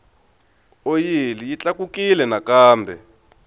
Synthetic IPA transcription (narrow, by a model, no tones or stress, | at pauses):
ojilijit͡ɬakukilɛnakaːmbʱɛ